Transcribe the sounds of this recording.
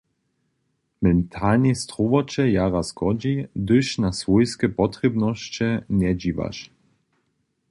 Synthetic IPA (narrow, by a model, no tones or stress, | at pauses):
mɛnt̪ʰalnʲist̪ɾuvɔt͡ʃɛjaɾaskɔd͡ʑid̪ɘʃnasvujskɛpɔt̪χʲɛbnɔɕt͡ɕɛɲɛd͡ʑiva̰ʃ